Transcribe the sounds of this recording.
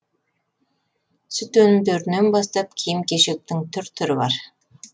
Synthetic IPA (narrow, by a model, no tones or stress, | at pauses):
sʏt̪ɵnmd̪ɵɾnembɑst̪ɑp̚kʲʰijɪmkʲeʃek̚t̪ɪŋt̪ʰʏɾt̪ʰʏɾɪbɑ̰ɾ